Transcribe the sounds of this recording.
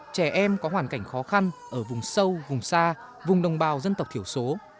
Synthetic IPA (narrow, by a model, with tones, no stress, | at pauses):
t͡ɕɛ˧˩ʔɛ˧mkɔ˨˦waː˧˩nka˧˩jŋ̟xɔ˨˦xa˧nʔəː˧˩vʊ˨˩ŋ͡msə˧wvʊ˨˩ŋ͡msaː˧ | vʊ˨˩ŋ͡mɗə˨˩wŋ͡mɓaː˨˩wzə˧nt̪ə˨˩wk͡p̚t̪ʰi˧˩əwso˨˦